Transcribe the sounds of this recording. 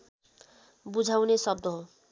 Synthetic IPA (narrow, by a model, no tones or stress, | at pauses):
bud͡zʱawnesʌb̚d̪ʌɦo